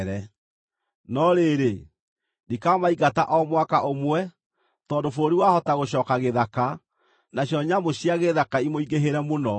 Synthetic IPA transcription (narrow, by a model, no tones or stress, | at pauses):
ɾɛ | nɔɾeɾe | dikamaiɣataʔɔmwakaʔomwɛ | tɔːndofoɾoɾiwahɔtaɣoɕ̬ɔːkaɣeðaka | naɕjɔɲamoɕiaɣeðakaimoiɡeɦeɾɛmonɔ